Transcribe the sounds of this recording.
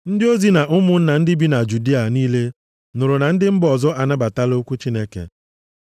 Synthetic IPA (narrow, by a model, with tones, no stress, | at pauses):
n̩˦dɪ˦o˦zi˨na˨ʔʊ˦mʊ˨n̩˦na˨n̩˦dɪ˦bi˦na˨d͡ʒu˨di˦a˨niː˦le˦ | nʊ˨ɾʊ˨na˨n̩˦dɪ˦m̩˦bɔ˨zɔ˦ʔa˨na˦ba˨ta˦lo˦kʷu˦t͡ʃi˦ne˦kḛ˨